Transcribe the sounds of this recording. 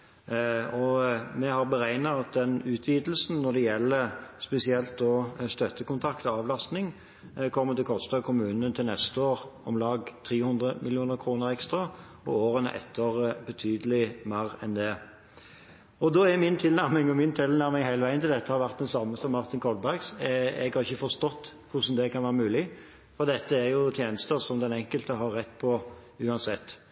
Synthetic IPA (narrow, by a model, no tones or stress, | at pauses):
ɔmɛhɑʁbəʁæɪnɑɑt̪̚d̪ɛnʉːt̪ʰʋiːd̪l̩sn̩nɔʁd̪ɛjɛlːəspɛsɪɛlt̪̚d̪ɔst̪œt̪ːəkʊnt̪ʰɑkt̪ɔɑːʋlɑst̪nɪŋ | kʰɔmːət̪ɪlkʰɔst̪ɑkʰʊmʉːnənt̪ʰɪlnɛst̪əoːʁɔmlɑːɡt̪ʰʁiːhʊnd̪ʁəmɪlɪuːnəʁkʰʁuːnəʁɛkst̪ʁɑ | ɔ̰oːʁənə̰ʔɛ̰t̪ʰːəʁbət̪ʰyːd̪əlɪmæːɾɛnd̪ɛ | ɔd̪oːɛmɪnt̪ʰɪlnæʁmɪŋɔmɪnt̪ʰɪlnæɾmɪŋhæɪləʋæɪənɪld̪ɛt̪ːəhɑɾʋæʁt̪d̪ɛnsɑmːəsɔmːɑʁt̪ɪnkʰɔlbæʁɡsɛ̰ɡhɑɾʁɪçəfɔʁst̪ɔt̪ːkʰʊʂn̩d̪ɛkʰɑnʋæːʁəmʉːlɪ | fɔʁd̪ɛt̪ːəæɾjʊt̪ʰjeːnəst̪əsɔmd̪ɛnɛŋkəlt̪əɦɑɾːɛt̪ːpʰɔʉːɑnsɛt̪ː